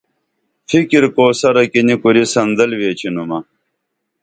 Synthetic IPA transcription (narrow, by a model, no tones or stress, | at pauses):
fikiɾkoːsɐɾɐkinikuɾisɐnd̪ɐlweːt͡ɕʰinumɐ